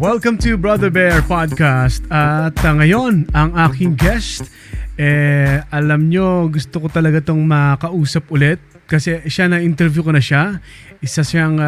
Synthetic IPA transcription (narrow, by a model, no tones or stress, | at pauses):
wɛlkɐ̃mt̪ubɹɐd̪ɛɹbɛɹpad̪̚kast̪ɐt̪ɐŋɐjo̞nɐŋʔaːkɪŋɡɛst̪ | ʔɛʔɐlɐmɲo̞ɡʊst̪okot̪ɐlɐɡat̪oŋmɐkɐʔuːsɐpʔʊlɛt̪̚ | kɐsɛʃanɐʔɪnt̪ɛɾvjukonɐʃa | ʔɪsasaŋ